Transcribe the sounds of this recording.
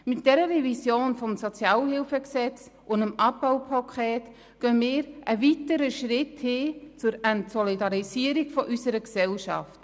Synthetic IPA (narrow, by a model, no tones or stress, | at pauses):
mɪt̚d̥ɛɾərɛvisjoːnfɔmsɔt͡sjɑːlhɪlfəksɛt͡s | ʔʊndəmɑpbawpʰɑkʰχɛːt | ɡ̥œnmɪːɾʔəvitəɾəʃɾɪthɪːt͡sʊɾɛntsɔlidɑɾisiəɾiɡfɔʔysəɾəksɛlʃɑ̰ft